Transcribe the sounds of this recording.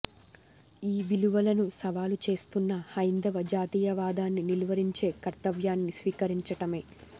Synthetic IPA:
iːʋiluʋɐlɐnusɐʋaːlut͡ʃe̞ːst̪unːɐhɐjnd̪ɐʋɐd͡ʒaːt̪iːjɐʋaːd̪aːnːinilʋɐɾiɲt͡ʃe̞ːkɐɾt̪ɐʋjaːnːisʋiːkɐɾiɲt͡ʃɐʈɐme̞ː

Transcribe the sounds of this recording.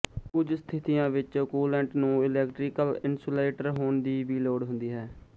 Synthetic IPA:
kʊd͡ʒst̪ʰɪt̪ɪjãːʋɪt͡ʃkuːlɛ̃ːɳʈnũːɪlɛːkʈɾɪːkəlɪnsoːleːʈəɾɦoːɳd̪iːʋiːloːɽɦʊ̃nd̪iːɦɛː

